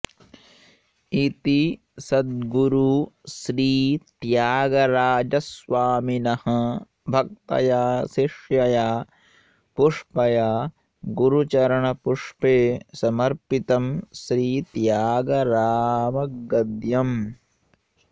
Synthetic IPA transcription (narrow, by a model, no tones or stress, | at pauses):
it̪i | sɐd̪̚ɡuɾuʃɾiːt̪jaːɡɐɾaːd͡ʒɐsʋaːminɐhɐ̆ | bʱɐk̚t̪ɐ̰jaːʃiʂjɐjaː | puʂpɐjaː | ɡuɾut͡ʃɐɾɐɳɐpuʂpeːsɐmɐɾpit̪ɐmʃɾiːt̪jaːɡɐɾaːmɐɡɐd̪jɐm